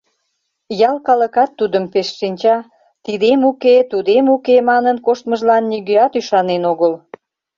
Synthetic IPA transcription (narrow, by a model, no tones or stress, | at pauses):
jɑlkɑləkɑt̪ːud̪əmpeʃʃinʲt͡ɕɑ | t̪id̪emuket̪ud̪emukemɑnənkoʃt̪məʒlɑnːiɣøɑt̪yʃɑnenoɣəl